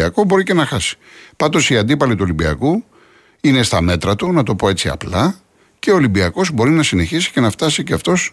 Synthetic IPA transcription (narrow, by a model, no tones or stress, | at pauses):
ɐko̞bo̞ɾice̞nɐxɐsi̥ | pɐnd̪o̞siɐnd̪ipɐlit̪uo̞limbiɐ̰ku | ine̞st̪ɐme̞t̪ɾɐt̪unɐt̪o̞po̞e̞t͡siɐ̰plɐ | ce̞oːlibiɐko̞zbo̞ɾinɐsine̞çisi̥ce̞nɐft̪ɐsiceɐft̪o̞s